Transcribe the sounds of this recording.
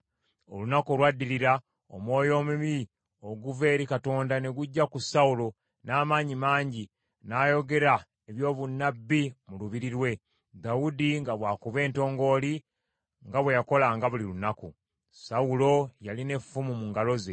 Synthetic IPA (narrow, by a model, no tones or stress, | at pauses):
o̞̰lunakolwadːiliɾa | o̰mwo̞ːjo̞ːmumi | o̞ɡuve̞ːɾikato̞ːndane̞ɡuɟːakusaulo̞ | naːmaːɲimaːɲɟi | naːjo̞ɡe̞ɾa | eβjo̞ːβunːabːimuluβiɾiɾwe̞ | d̪audiŋɡaβwaːkuβe̞ːnto̞ːŋɡo̞ːli | ŋɡaβwe̞jako̞laŋɡaβulilunaku | saulo̞jaline̞fumumuŋɡalo̞ze̞